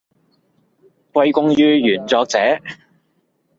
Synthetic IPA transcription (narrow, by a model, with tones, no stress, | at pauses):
kwɐ˧jkʊ˧ŋjyː˧jyː˨˩nt͡sɔː˧k̚t͡sɛː˨˥